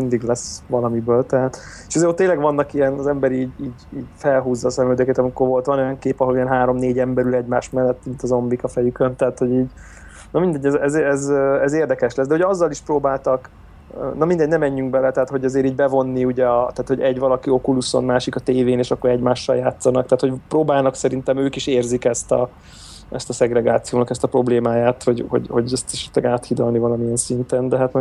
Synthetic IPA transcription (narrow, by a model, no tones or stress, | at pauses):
mind̪iɡlɛsʋɒlɒmibøːlt̪ɛɦat̪eʃɛzeːɾot̪ːeːɲlɛɡʋɒnːɒkijɛnɒzɛmbɛɾiiːɟiːɟiːɟfɛlɦuːzːɒːsɛmøld̪ɛkɛt̪ɒmiko̞rvo̞lt̪ʋɒno̞jɒŋkeːpɒɦo̞lijɛnɦaːɾo̞mneːɟɛmbɛɾylɛɟmaːʃmɛnːɛt̪mint̪ɒzo̞mbikɒfɛjykønt̪ɛɦaːt̪ho̞ɟiːɟ | nɒmind̪ɛɟːɛzɛzɛzøɛzeːrd̪ɛkɛʃlɛsd̪ɛuɟɛɒzːɒliʃpɾoːbaːlt̪ɒkː | nɒmind̪ɛɟnɛmɛɲːyŋɡ̚bɛlɛt̪ɛɦaːt̪ho̞ɟɛzeːɾiːɟ̚bɛvo̞nːiuɟɛɒt̪aːt̪ho̞ɟɛɟvɒlɒkio̞kuluso̞̰nmaːʃikɒt̪eːveːneːʃɒkːoɾɛɟmaːʃːɒljaːt̪sːɒnɒk̚t̪ɛɦaːt̪hoɟproːbaːlnɒksɛɾint̪ɛmøːkiʃeːrzikɛst̪ɒ̰ | ɛ̰st̪ɒsɛɡɾɛɡaːt̪sijoːnɒkɛst̪ɒpɾro̞bleːmaːjaːt̪ho̞ɟho̞̰ɟho̞̰ɟøst̪ɛʃɛ̥t̪lɛɡaːt̪hid̪ɒlnivɒlɒmijɛnsint̪ɛnd̪ɛɦat̪mɛ